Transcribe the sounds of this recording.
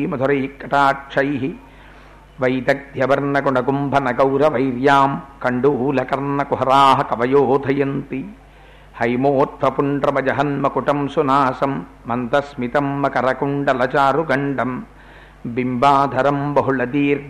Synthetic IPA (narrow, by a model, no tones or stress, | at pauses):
mɐd̪ʱɐɾɐkːɐʈaːʈʂʰɐjɦi | ʋɐjd̪ɐk̚d̪ʱjɐʋɐɾnɐkuɳɐɡumbʱɐnɐɡɐwɾɐʋɐjɾjaːmkɐɳɖuːlɐkɐɾnɐkuɦɐɾaːɦɐkɐʋɐjoːd̪ʱɐjɐnt̪i | hɐjmoːt̪̚ʋɐpuɳɖɾɐmɐd͡ʒɐɦɐnmɐkuʈɐmsunaːsɐmː | ɐnt̪ɐsmit̪ɐmːɐkɐɾɐkuɳɖɐlɐt͡ʃaːɾuɡɐɳɖɐm | bimbaːd̪ʱɐɾɐmbɐɦuɭɐd̪iːɾ